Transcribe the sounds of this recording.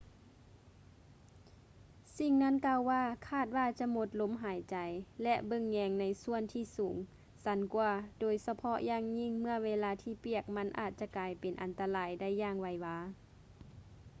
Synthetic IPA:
si˧ŋna˧˥˨nkaː˧˨wwaː˧˨kʰaː˧˩t̪̚waː˧˩t͡ɕa˧˦mo˧˥t̪̚lo˧˥mɦaː˨˦jt͡ɕa˨jlɛ˧ʔbɤ˧˥˨ŋːɛː˧ŋna˧˥jsu˧˨ənt̪ʰiː˧˩suː˨˩˦ŋ | sa˧˦nkwuː˧doː˨˩jsa˧pʰɔ˧ʔjaː˧˥˨ŋɲi˧˥˨ŋmɯ˧˥˨əweː˧˨laː˧˥t̪ʰiː˧˩pi˧˩ək̚ma˧˥nʔa̰ː˧˩t̪̚t͡ɕa˧kaː˨˩jpe˨˩nʔa˨˩nt̪a˧laː˨˦jda˧˥˨jːaː˧˨ŋwa˧˩jwaː˧˥

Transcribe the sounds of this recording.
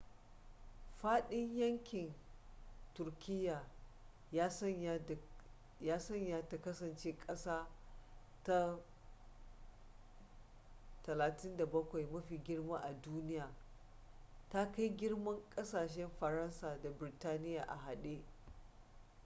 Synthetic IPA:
ɸaː˦ɗɪ˦ɲjɐ˦ŋkʲɪ˨n | tʊ˨rkʲʰɪ˦jːaː˨˦ | sɐ˦˨ | jaː˦sɐ˦˨ɲja˦ta˨kɐ˦sɐ˨nt͡ʃeː˦kʼɐ˦saː˦ | ta˦ | tɐ˨laː˨tɪ˦nda˨bɐ˦kʷa˨jmɐ˦ɸiː˨ɡʲɪ˦rmaː˦ʔa˨duː˦nɪ˦jaː˨ | ta˦ka˦jɡʲɪ˦rmɐ˦ŋkʼɐ˦saː˨ʃ̬ɛ˦mɸɐ˨ɾɐ˦nsaː˨da˨bɾtaː˦nɪ˦jaː˨ʔa̰˨ɦa˨ɗeː˦

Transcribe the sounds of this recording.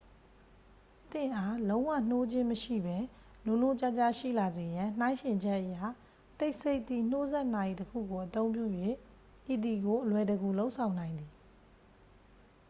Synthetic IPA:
t̪ɪ̰̃˦˨ʔa˦lõ˦ʊ̃wa̰˦˨n̥o˦d͡ʑɪ̃˦məʃḭ˦˨bɛ˦ | lʊ̃˨no˦˨t͡ɕa˦t͡ɕa˦˨ʃḭ˦˨la˨ze˨jã˨n̥ã˦ɪ̃ʃɪ̃˨ɲd͡ʑɛ˦ʔəja̰˦˨ | te˦ɪʔse˦ɪʔt̪ːi˦˨n̥o˦zɛ˦ʔna˨ji˨təkʰṵ˦˨ɡo˨ʔət̪õ˦ʊ̃mp̬jṵ˦˨jwe˦˨ | ʔi˨d̪i˨ɡo˨ʔəlwɛ˨dəɡu˨lo˦ʊʔsʰã˨ʊ̃nã˨ɪ̃nd̪i˨

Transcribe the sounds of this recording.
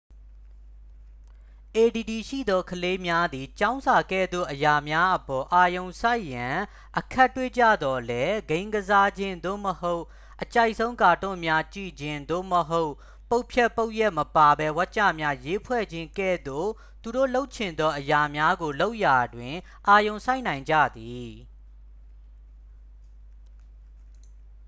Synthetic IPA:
ʔe˨di˨di˨ʃḭ˦˨d̪ɔ˦kʰəle˦mja˦d̪i˨t͡ɕã˦ʊ̃nzʰa˨kɛ̰˦˨d̪o̰˦˨ʔəja˨mja˦ʔəpɔ˨ʔa˨jõ˨ʊ̃sa˦ɪʔjã˨ | ʔəkʰa˦˨tːwe˦t͡ɕä̰˦˨d̪ɔ˨lɛ˦ɡẽ˦ɪ̃ŋɡəza˦d͡ʑɪ̃˦nd̪o̰˦˨məho˦ʊʔ | ʔət͡ɕa˦˨ɪʔsʰõ˦ʊ̃ka˨tʊ̰̃˦˨mja˦t͡ɕḭ˦˨d͡ʑɪ̃˦nd̪o̰˦˨məɦo˦ʊʔ | po˦ʊ̃pʰjɛ˦ʔpːo˦ʊʔjɛ˦ʔməpa˨bɛ˦wa˦ʔt͡ɕä̰˦˨mja˦je˦pʰwɛ̰˦˨d͡ʑɪ̃˦ŋkɛ̰˦˨d̪o̰˦˨ | t̪u˨ɾo̰˦˨lo˦ʊʔt͡ɕʰɪ̃˨nd̪ɔ˦ʔəja˨mja˦ɡo˨lo˦ʊʔja˨dwɪ̃˨ | ʔa˨jõ˨ʊ̃sa˦ɪʔnã˨ɪ̃ɲd͡ʑä̰˦˨d̪i˨

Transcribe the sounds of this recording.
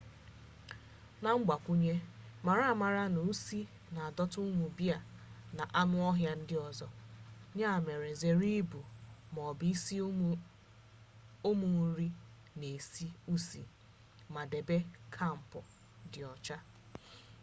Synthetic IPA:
na˨ŋ͡m̩˦ɡ͡ba˨kʷu˦ɲe˦ma˨ɾa˦˨ma˨ɾa˦nu˨u˦si˦ | na˨a˨dɔ˦tʊ˦ŋʷu˨bja˨na˨ʔa˦mʊ˦ɔ˦ɦja˦n̩˦dɪ˦ɔ˨zɔ˨ɲa˦˨me˨ɾe˨ze˨ɾi˦bu˨mɔ˨bi˦si˦ | o˦mu˨ŋ̩˦ɾi˦ | ne˨si˦u˦si˨ | ma˨de˨be˦kʰa˦˨m̩˨pʊ˨ | dɪ˨ɔ˨t͡ʃa˦

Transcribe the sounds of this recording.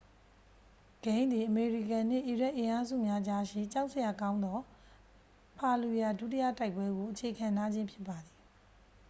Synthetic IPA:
ɡ̥ẽ˦ɪ̃nd̪ði˨ʔəme˨ɹi˨kã˨n̥ɪ̰̃˦˨ʔi˨ɹa˦ʔɪ̃˨ʔa˨˦zṵ˦˨mja˦d͡ʑa˦ʃḭ˦˨t͡ɕa˦ʊʔsə˨ja˨kã˦ʊ̃nd̪ɔ˦ | pʰa˨lu˨ja˨dṵ˦˨tḭ˦ja̰˦˨ta˦ɪpːwɛ˦ɡo˨ʔət͡ɕʰe˨kʰã˨na˦d͡ʑɪ̃˦mpʰjɪ˦pːa˨d̪ði˨

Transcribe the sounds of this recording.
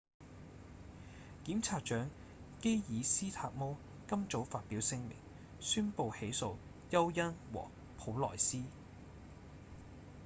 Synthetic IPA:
kiː˨˥mt͡sʰaː˧t̚t͡ʃœː˨˥ŋ | ke˥jjiː˨˧siː˥t̪ʰaː˧k̚mo˥w | kɐ˥mt͡so˨˥wfaː˧t̚piː˨˥wsɪ˥ŋmɪ̰˨˩ŋ | syː˥npo˨˧whe˨˥jso˨˧w | jɐ˥wjɐ˥nwɔ̰ː˨˩ | pʰo˨˥wlɔ̰ː˨˩jsiː˥

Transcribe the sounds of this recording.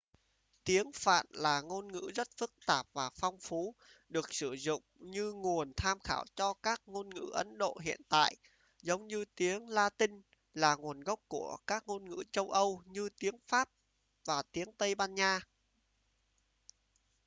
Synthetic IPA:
t̪i˨˦əŋfa̰ː˧˨nlaː˨˩ŋo˧nŋɨ̰˧˥zə˦˥t̚fɨ˦˥k̚t̪aː˨˩p̚vaː˨˩fɔ˧wŋ͡mfu˨˦ɗɨ˨˩ək̚sɨ˧˩zʊ̰˧˨ŋ͡mɲɨ˧ŋu˨˩ənt̪ʰaː˧mxaː˧˩wt͡ɕɔ˧kaː˦˥k̚ŋo˧nŋɨ̰˧˥ʔə˨˦nɗo̰˧˨ɦḭ˧˨ənt̪a̰ː˧˨jʔ | zə˨˦wŋ͡mɲɨ˧t̪i˨˦əŋlaː˧t̪ï˧ŋ̟ | laː˨˩ŋu˨˩ənɣə˦˥wk͡p̚ku˧˩əkaː˦˥k̚ŋo˧nŋɨ̰˧˥t͡ɕə˧wʔə˧wɲɨ˧t̪i˨˦əŋfaː˦˥p̚ | vaː˨˩t̪i˨˦əŋt̪ə˧jɓaː˧nɲaː˧

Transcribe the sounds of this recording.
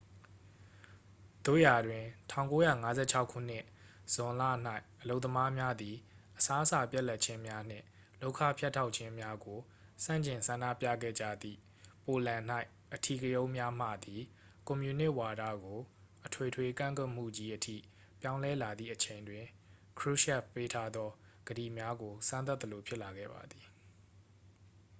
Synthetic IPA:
d̪̥o̰˦˨ja˨dwɪ̃˨tʰã˦˨ʊ̃ŋko˦jä̰˦˨ŋa˦zɛ̰˦˨t͡ɕʰa˦ʊkʰːṵ˦˨n̥ɪ̃˦ʔ | z̥ʊ̃˨lä̰˦˨n̥a˦ɪʔəlo˦ʊt̪ːəma˦mja˦d̪i˨ | ʔəsa˦ʔəsa˨pja˦ʔla˦t̚t͡ɕʰɪ̃˦mja˦n̥ɪ̰̃˦˨ | lo˦ʊʔkʰa̰˦˨pʰja˦tʰːa˦ʊʔ̚t͡ɕʰɪ̃˦mja˦ɡo˨ | sã̰˦˨ɲt͡ɕɪ̃˨nsã˨nda̰˦˨pjä̰˦˨ɡɛ̰˦˨d͡ʑä̰˦˨d̪ḭ˦˨ | po˨lã˨n̥a˦ɪ | ʔətʰi˨kə˨jõ˦ʊ̃mja˦m̥ä̰˦˨d̪i˨ | kɔ̃˨mju˨nɪ˦ʔwa˨ɾä̰˦˨ɡo˨ | ʔətʰwe˨tʰwe˨kã̰˦˨ŋkwɛ˦ʔm̥ṵ˦˨d͡ʑi˦ʔətʰḭ˦˨ | pjã˦ʊ̃lɛ˦la˨d̪ðḭ˦˨ʔət͡ɕʰẽ˨ɪ̃ndwɪ̃˨ | kʰɹu˦ʃɛ˦˨ppːe˦tʰa˦d̪ɔ˦ | ɡ̥əɾḭ˦˨mja˦ɡo˨sʰã˦nt̪a˦t̪ːə˨lo˨pʰjɪ˦ʔla˨ɡɛ̰˦˨ba̰˨d̪i˨

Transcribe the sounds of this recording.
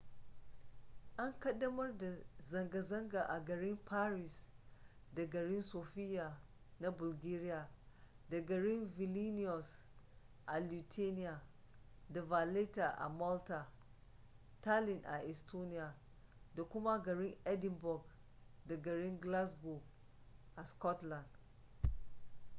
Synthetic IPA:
ʔa˦ŋkɐ˦dːɐ˦mɐ˦rda˨zɐ˨ŋɡa˨zɐ˦ŋɡa˨ʔa˨ɡɐ˨ɽɪ˦mpʰaː˦ɾi˨s | da˨ɡɐ˨ɾɪ˦nsoː˨ɸɪ˦ja˨ | na˦bʊ˨lɡeː˦ɾɪ˦ja˨ | da˨ɡɐ˨ɽɪ˦nvɪ˨li˦nɪ˦ɔ˨s | ʔa˨lu˨tʰe˦nɪ˦ja˨ | da˨va˨le˦ta˨ʔa̰˨mɔ˦lta˨ | ta˦lɪ˨nʔa˨ʔɛ˨stʰo˦nɪ˦ja˨ | da˨kʷʊ˦ma˦ɡɐ˨ɾɪ˦ŋʔɛ˦dɪ˨mbɔ˨ɡ | da˨ɡɐ˨ɾɪ˦ŋɡla˦sɡo˨ | ʔa˨skɔ˦tla˨nd

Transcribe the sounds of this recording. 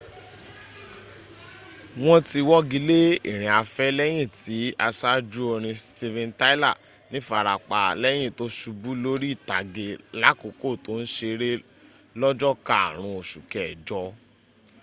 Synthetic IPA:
w̃ɔ̃˦ti˧wɔ˦ɡi˧˦le˦ḭ˦˨ɾ̃ĩ˨a˧fɛ˦lɛ˦j̃ĩ˦˨ti˨˦a˧sa˦d͡ʒu˦o˧ɾ̃ĩ˧sti˧vɛ̃˧nta˦la˦˨ | nĩ˦fa˨ɾa˨k͡pa˨lɛ˦j̃ĩ˦˨to˦ʃu˧bu˦lo˦ɾi˦˨ta˨ɡe˧la˦ko˨˧ko˦˨to˨˦n̩˦ʃe˧ɾe˦ | lɔ˦d͡ʒɔ˦ka˦a̰˦˨ɾ̃ũ˧o˨ʃu˨kɛ˨ɛ˨d͡ʒɔ˧˦

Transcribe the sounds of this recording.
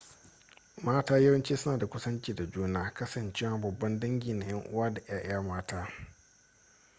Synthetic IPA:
maː˦taː˦jɐ˦wɐ˦nt͡ʃeː˦sʊ˦naː˨da˨kʷʊ˦sɐ˦nt͡ʃiː˨da˨d͡ʒuː˦naː˦kɐ˦sɐ˨nt͡ʃeː˦waː˨bɐ˨bːɐ˦ndɐ˦ŋɡʲiː˨na˨jɐ˦ŋʔʊ̰˦waː˦da˨j̰aː˦ʔaː˦maː˦taː˦

